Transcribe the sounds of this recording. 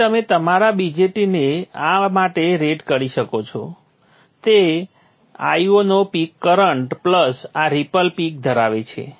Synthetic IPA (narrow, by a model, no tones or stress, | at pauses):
əmet̪əmaɾabid͡ʒeʈineamaʈeɾeʈkəɾiʃəkot͡ʃʰo̰ | t̪e | a̰jonopikːəɾəɳʈpləsaɾipəlpik̚d̪ʱəɾaʋet͡ʃʰḛ